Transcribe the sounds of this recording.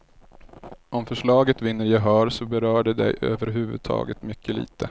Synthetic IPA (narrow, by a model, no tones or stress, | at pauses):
ʔɔmfœʂɭɑːɡət̪vɪnːəɾjaɦœːɾsɔbɛɾœːɖɛd̪ɛ̰jʔø̰ːvəɾɦʉ̟ːvɵ̰d̪̚t̪ʰɑ̰ːɡət̪mʏkːəlḭːt̪ʰə